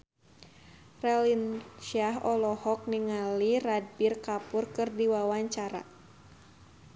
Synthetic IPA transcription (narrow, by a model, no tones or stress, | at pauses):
rɛlinʃaɦɔlɔhɔk̚niŋalirad̚birkapʊrkɨrdiwawaɲt͡ʃaɾa̰